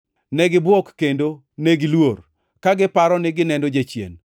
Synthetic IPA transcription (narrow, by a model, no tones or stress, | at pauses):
nɛɡɪbwɔkːendo | neɡɪlwor | kaɡɪpaɾɔnɪɡɪnɛndod͡ʒet͡ʃjḛn